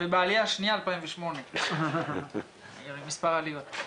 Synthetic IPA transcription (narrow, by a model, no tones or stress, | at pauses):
bebaːliaʃnijaːlpaĩnveʃmone | joɾimispaʁaliot̪